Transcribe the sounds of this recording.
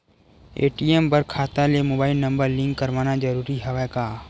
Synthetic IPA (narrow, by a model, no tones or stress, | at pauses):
ḛːʈiembɐɾkʰaːt̪alemoːbaːɪlnɐ̃mbəɾlɪ̃ŋkːɐɾʋaːnad͡ʒɐɾuːɾiɦɛʋɛkaː